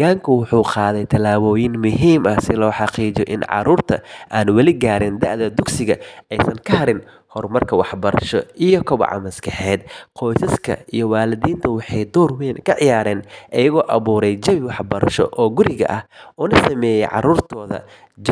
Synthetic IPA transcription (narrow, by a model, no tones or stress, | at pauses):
aːŋkʰʊwʊħuːqɑːðɛjt̪ʰɐlaːβɔːjɪnmʊɦiːmʔɐhsɪlɔːħɑqiːd͡ʒɔʔɪ̰nʕɑ̰ɾuːrt̪ʰɐ̰ʔaːnwɐlɪɡaːɾɪnd̪ɐʔðɐd̪ʊɡsɪɣɐɛjsɐŋkʰɐhɐɾɪn | hɔrmɐrkʰɐwɑħbɐɾɐʃɔʔijɔkʰɔβɐ̰ʕɑ̰mɐskʰɑħɛːd̪qʰɔjsɐskʰɐ̰ijɞwaːlɪðiːnt̪ʰɐwɑħɑjd̪ɔːrwɛnkʰɐʕɪjaːɾɛːnʔɐjɐɣɔːʔɐβuːɾɛjt͡ʃɐβɪwɑħbɐɾɐʃɔ̰ʔɔːɡʊɾɪɣɐ̰ʔɐhʔʊnɐsɐmɛːjɛjʕɑ̰ɾuːrt̪ʰɔːðɐ̰ | d͡ʒ